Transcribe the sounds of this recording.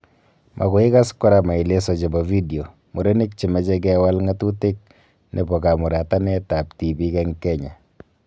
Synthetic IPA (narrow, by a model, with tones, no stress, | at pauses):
mʔa̰˨ko˨ɪ˦ka˦skɔ˦ɾa˨ma˨i˨le˦sɔ˨d͡ʒe˨bɔ˨vi˦di˨o˨ | mu˨ɾe˦ni˦k̚t͡ʃi˨mɛ˨t͡ʃɛ˦k̬ɛ˦wa˦lŋa˦tu˦te˦k̚ | nʔḛ˨bɔ˨ka˨mu˨ɾa˨ta˦nɛ˦ta˨p̚ti˨bi˦kɛ˦ŋkɛ˦ɲa˨